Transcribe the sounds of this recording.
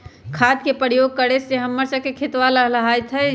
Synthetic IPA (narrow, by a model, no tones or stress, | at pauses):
kʰad̪̚kepəɾjoɡ̚kəɽeseɦəmːəɾsəkekʰet̪ʋaləɦləɦajt̪ʰɦɛ